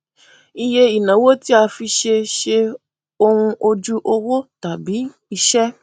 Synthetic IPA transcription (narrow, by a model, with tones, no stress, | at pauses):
i˧je˧i˨nã˨˦wo˦ti˦a˧fi˧ʃe˧ʃe˧ | o˧hũ˧ʔo˧d͡ʒu˦ʔo˧wo˦ta˨bi˨˦ | i˧ʃɛ˦